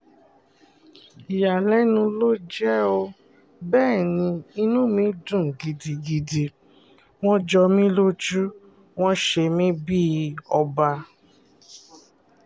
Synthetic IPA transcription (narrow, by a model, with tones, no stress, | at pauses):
i˨ja˨lɛ˨˦nũ˧lo˦d͡ʒɛ˦o˧ | bɛː˦˨nĩ˧i˧nũ˦mĩ˨˦dũ˦˨ɡi˨di˨ɡi˧di˨˧ | w̃ɔ̃˦d͡ʒɔ˧mĩ˦lo˦d͡ʒu˦ | w̃ɔ̃˦ʃe˧mĩ˦bi˦˧ɔ˧ba˧